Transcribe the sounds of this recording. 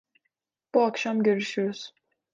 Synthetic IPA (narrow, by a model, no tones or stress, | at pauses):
b̥uakʃamɟøɾyʃyoɾyz̥